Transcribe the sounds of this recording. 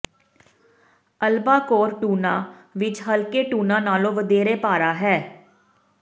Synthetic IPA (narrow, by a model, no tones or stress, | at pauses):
əlbaːkoːɾʈuːnaːʋɪt͡ʃɦəlkeːʈuːnãːnaːlõːʋəd̪eːɾeːpaːɾaːɦɛː